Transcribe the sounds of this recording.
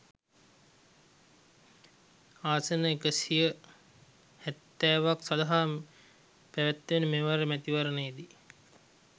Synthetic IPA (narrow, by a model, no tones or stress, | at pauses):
aːsənəekəsijə | hæt̪ːæːʋaksad̪aɦaː | pæʋæt̪ːʋenəmeʋaɾemæt̪iʋaɾənəid̪i